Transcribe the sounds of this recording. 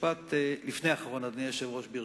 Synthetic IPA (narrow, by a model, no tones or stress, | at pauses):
pat̪lifnejaχaʁo̞nad̪nijeʃevʁoʃbiʁ